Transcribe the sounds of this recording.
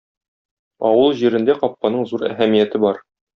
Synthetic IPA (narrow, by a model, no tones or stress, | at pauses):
ɒwɤlˠʑiɾɘ̆nd̪æqɒp̚qɑnɤɴzuɾæ̰ɦæmijæt̪ɘbɒɾ